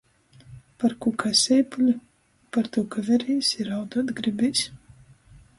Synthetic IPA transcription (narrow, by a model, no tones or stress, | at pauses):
paɾkukʰasʲɛjpulʲu | paɾt̪ukavɛɾiːsiɾawd̪uɔt̪ɡɾibʲijsʲ